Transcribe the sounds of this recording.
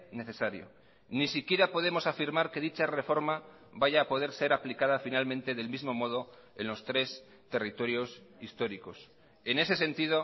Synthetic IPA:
ne̞θe̞saɾjo̞̰ | nisikje̞ɾapo̞ð̞e̞mo̞safiɾmaɾke̞ðit͡ʃare̞fo̞ɾma | βaʝaːpo̞ð̞e̞ɾse̞ɾaplikað̞afinalmẽnt̪e̞ðe̞lmizmo̞mo̞ð̞o̞ | e̞nlo̞st̪ɾe̞s | t̪e̞rit̪o̞ɾjo̞sist̪o̞ɾiko̞s | e̞ne̞se̞se̞nt̪ið̞o̞

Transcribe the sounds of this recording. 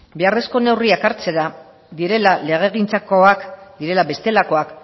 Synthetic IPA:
beare̞sko̞ne̞wriakaɾt͡se̞ɾa | d̪iɾe̞lale̞ɣ̞e̞ɣint͡sako̞akd̪iɾe̞labe̞st̪e̞lako̞ak

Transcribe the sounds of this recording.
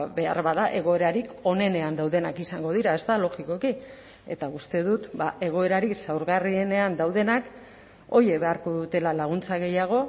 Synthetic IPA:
be̞a̰ɾβaðaʔe̞ɣ̞o̞e̞ɾaɾiko̞ne̞ne̞and̪awðe̞nakisaŋɡo̞ð̞iɾae̞st̪alo̞ɣiko̞ki | e̞̰t̪aust̪e̞ðut̪bae̞ɣ̞o̞e̞ɾaɾisawɾɣarie̞ne̞and̪awðe̞nak | o̞je̞βe̞aɾko̞ðut̪e̞lalaɣ̞unt͡saɣe̞jaɣ̞o̞

